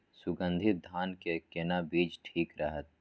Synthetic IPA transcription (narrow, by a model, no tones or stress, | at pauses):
sʊɡə̃nd̪ʱɪt̪̚d̪ʱaːnkekenabiːd͡ʒʈʰiːkɾəɦət̪̚